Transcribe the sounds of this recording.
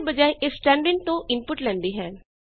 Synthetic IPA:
bəd͡ʒaːeʔɪsːʈɛ̃ːɳɖɪɳɖ̚t̪õːʔɪnpʊʈlɛ̃ːnd̪iːɦɛː

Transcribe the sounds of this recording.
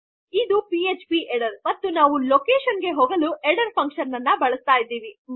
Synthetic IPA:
id̪upiet͡ʃpiʔeɽɐɾmɐt̪ːunaːʋulokeːʃɐnɡe̞ɦoːɡɐluʔeɽɐɾpʰɐŋkʂɐnːɐnːɐbɐɭɐst̪aːjid̪ːiːʋi

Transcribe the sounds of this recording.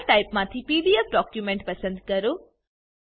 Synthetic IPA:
ʈaːɪpmãt̪ʰipiːɖiefɖɔːkjumẽɳʈ̚pɐsə̃nd̪kɐɾoː

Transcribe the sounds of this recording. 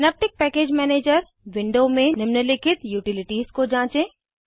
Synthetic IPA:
nɛp̚ʈɪk̚pɛːkeːd͡ʑmɛːneːd͡ʑəɾ | ʋɪ̃ɳɖoːmẽnɪmnəlɪkʰɪt̪juːʈɪlɪʈiːzkod͡ʑãːt͡ɕẽ

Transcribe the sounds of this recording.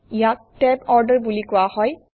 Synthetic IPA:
ijak̚tɛbɔɹdəɹbulikʊwahɔj

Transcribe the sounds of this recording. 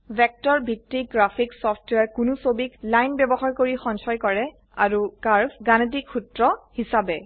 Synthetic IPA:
bɛk̚tɔɹbʱitːiɡɹapʰiksɔpʰtwaɹkunusobiklajnbɛbɔxaɹkoɹixɔnsɔjkɔɹɛ | a̰ɹukaɹpʰɡanet̬ikxutɹɔhisabɛ

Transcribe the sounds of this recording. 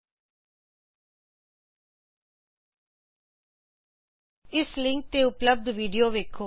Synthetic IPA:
ɪslɪŋk̚t̪eːʊpləb̚d̪ʋiːɖijoːʋeːkʰoː

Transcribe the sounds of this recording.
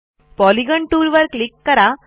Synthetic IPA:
pɔliɡəɳʈuːɾʋəɾklikːəɾa

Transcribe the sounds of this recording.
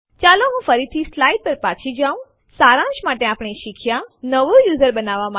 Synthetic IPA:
t͡ʃaloɦũfəɾit̪ʰislaiɖ̚pəɾpat͡ʃʰid͡ʒaũ | saɾãʃmaʈeapɽ̃iʃikʰjanəʋujuzəɾbənaʋama

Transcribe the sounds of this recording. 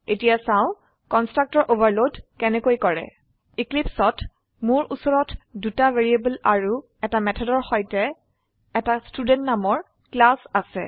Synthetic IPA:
etijasãʊ̃ | kɔnstɹak̚tɔɹʔobaɹlodkɛnɛkojkɔɹɛ̰ | iklipsɔt | mʊɹʔusɔɹɔtdutaveɹiebulaɹu | ɛtamɛtʰɔdɔɹxɔjtɛː | tastudɛntnamɔɹ | klasasɛ̰

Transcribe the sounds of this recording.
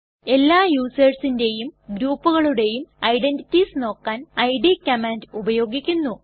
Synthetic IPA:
e̞lːaːjuːsɐrsinde̞jumɡɾuːpːuɣɐɭuɽe̞jumɐjɖe̞nditːisno̞ːkːaːnɐjɖikːɐmaːndubɐjo̞ːɡikʲːunːu

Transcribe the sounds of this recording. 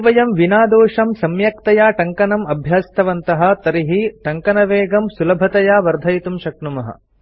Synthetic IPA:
ʋɐjɐmʋinaːd̪oːʂɐmsɐmjɐk̚t̪ɐjaːʈɐŋkɐnɐmɐbʱjaːst̪ʰɐʋɐnt̪ɐɦɐ̆t̪ɐɾiɦiʈɐŋkɐnɐʋeːɡɐmsulɐbʱɐt̪ɐjaːʋɐɾd̪ʱɐjt̪umʃɐk̚numɐɦɐ̰̆

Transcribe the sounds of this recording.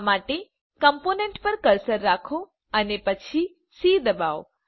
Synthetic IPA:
maʈe | kəmponeɳʈpəɾkəɾsəɾːakʰo | ənepət͡ʃʰi | sid̪əbaʋo

